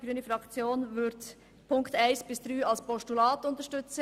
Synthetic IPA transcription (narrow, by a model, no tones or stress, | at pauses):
ɡ̥ɾyːnəfʁɑkt͡sjoːnvʏt | pʰʊŋktaɪsb̥ɪsd̥ɾyːɑlspɔʃtulaːtʊntəʃtʏt͡sə